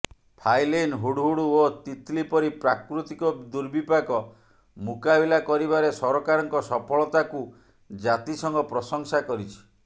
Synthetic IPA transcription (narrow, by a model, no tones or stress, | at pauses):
pʰajlenɦuɽɦuɽuot̪it̪lipɔɾipɾakɾut̪ikɔd̪uɾbipakɔ | mukabilakɔɾiβaɾesɔɾɔkaɾɔŋkɔsɔpʰɔɭɔt̪aku | d͡ʒat̪isɔŋɡɔpɾɔsɔŋsakɔɾit͡ʃʰi̥